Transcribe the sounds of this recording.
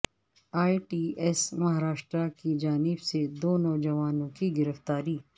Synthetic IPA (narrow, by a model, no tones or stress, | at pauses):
aːiʈiːɛsmɐɦaːɾaːʃt̪ɾakid͡ʒaːnɪbsed̪oːnoːd͡ʒɐʋaːnõkiɡɪɾəft̪aːɾiː